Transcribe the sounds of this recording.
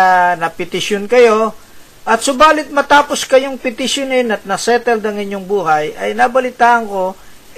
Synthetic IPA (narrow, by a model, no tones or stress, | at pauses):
nɐpɪt̪ɪʃjonkɐjo̞ | ʔɐt̪sʊbaːlɪt̪̚mɐt̪aːpo̞skɐjoŋpɪt̪ɪʃjonɪnɐt̪̚nɐsɛːt̪ɛld̪ɐŋɪɲoŋbuːɦɐjɐjnɐbɐlɪt̪aːʔɐŋko̞